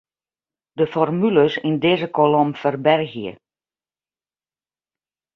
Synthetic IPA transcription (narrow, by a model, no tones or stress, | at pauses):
dəfɔrmyləsindɪːzəkʰolomfərbɛrɣijə̰